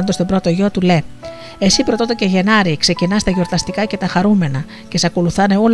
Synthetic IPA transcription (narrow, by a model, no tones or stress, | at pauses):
ond̪ost̪o̞bɾo̞t̪oʝot̪ule̞ | esipɾo̞t̪ot̪oceʝe̞nɐɾikse̞cinɐst̪ɐʝo̞ɾt̪ɐst̪ikɐce̞t̪ɐxɐɾume̞nɐ | ce̞sɐko̞luθɐne̞ol